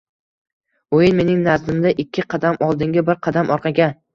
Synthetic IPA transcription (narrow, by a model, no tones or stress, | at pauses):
ojɪnme̞nɪŋnazd̪ɪmd̪aʔɪkʲʰːɪqʰɑd̪amɒlˠd̪ɪŋɡʲabɪɾqʰɑd̪amʔɒɾqʰɑɡʲa